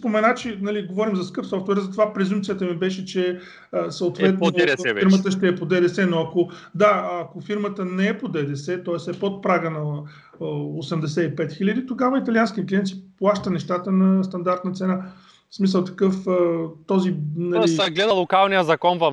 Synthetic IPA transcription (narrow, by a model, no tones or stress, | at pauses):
spomɛnat͡ʃɛnɐliɡovɔɾimzɐskɤpsɔft̪vɛɾzɐt̪ovapɾɛzumpt̪sijət̪əmibɛʃɛt͡ʃɛ | əsɐot̪vɛt̪̚niɾmət̪əʃt̪ɛːpod̪ɛd̪ɛsɛnoɐko | d̪aɐkofiɾmət̪ənɛɛpod̪ɛd̪ɛsɛt̪ɔɛsɛpot̪̚pɾaɡənɐ | osɛmd̪ɛsɛipɛt̪xilʲəd̪it̪oɡavəit̪ɐlianskiəklʲiɛnt̪siplˠaʃt̪ənɛʃt̪at̪ənɐst̪ɐnd̪aɾt̪nɐt̪sɛna | smisəlˠt̪ɐ̥kɤfət̪ɔzinɐlɡlɛd̪əlˠokalˠnijəzɐkɔnvɐ